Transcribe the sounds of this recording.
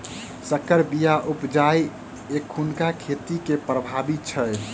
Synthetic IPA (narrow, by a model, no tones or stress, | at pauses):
səkəɾbijaʔupd͡ʒaj | ekʰːunkakʰet̪ikepɾəbʱabit̪̚t͡ʃʰəj